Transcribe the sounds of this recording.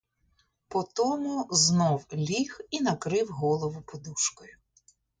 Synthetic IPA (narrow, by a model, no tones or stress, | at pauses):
pɔt̪ɔmʊznɔwlʲixinɐkɾɪwɦɔlˠɔʋʊpɔd̪uʃkɔjʊ